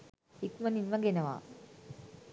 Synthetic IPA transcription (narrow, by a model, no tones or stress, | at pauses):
ikmɐninʋɐɡenɐʋa̰